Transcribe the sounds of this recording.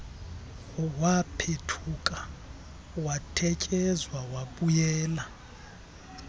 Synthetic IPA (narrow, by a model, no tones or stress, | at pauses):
wapʰetʰukʼa | watʰɛcʼɛzwawaɓujɛːla